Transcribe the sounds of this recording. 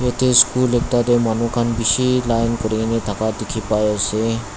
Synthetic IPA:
jet̪ʰeskuːlekt̪ad̪emanukʰanbiɕilajnkəɾnet̪ʰakad̪ikʰipajəse

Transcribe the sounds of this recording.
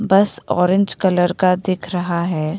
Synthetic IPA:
bɐsɔ̰ːɾɪ̃ɲd͡ʒkɐləɾkad̪eːkʰɾɐɦaɦɛː

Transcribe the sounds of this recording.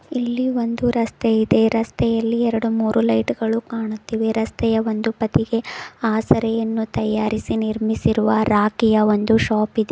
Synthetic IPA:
ilːiʋo̞nd̪uɾɐst̪ɛid̪e̞ɾɐst̪ʰɛjɐlːiɛɾɐɽumuːɾulɐjʈɡɐɭukaːɳut̪ːiːʋeɾɐst̪ʰɛjɐʋo̞nd̪upɐt̪iɡe̞aːsɐɾɛjɐnːut̪ɐjaːɾisiniɾmisiɾuʋɐɾaːkijɐʋo̞nd̪uʃaːpid̪e

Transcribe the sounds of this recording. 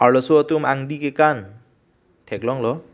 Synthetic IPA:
alɔsuɔt̪umaŋd̪ikekan | ʈʰeklɔŋlɔ

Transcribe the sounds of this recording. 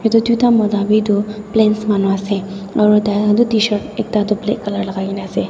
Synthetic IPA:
met̪od̪ut̪amɔd̪abʱid̪oplẽːnsmanʋaseɔːɾd̪aad̪ot̪iʃəɾek̚t̪ad̪oplḛkɐləɾlɐɡaːinase

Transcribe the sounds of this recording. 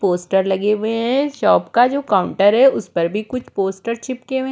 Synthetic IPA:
poːsʈəɾlɐɡeːwẽɦɛ̃ʃɔːpkad͡ʒoːkaːʊ̃ɳʈəɾɦɛʊspɐɾbʱikʊt͡ʃʰpoːsʈəɾt͡ʃɪpkewẽ

